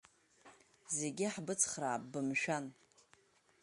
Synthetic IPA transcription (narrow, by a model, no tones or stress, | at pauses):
zeɡʲɪħbɨt͡sʰχraːp̚bɨmʃᶣan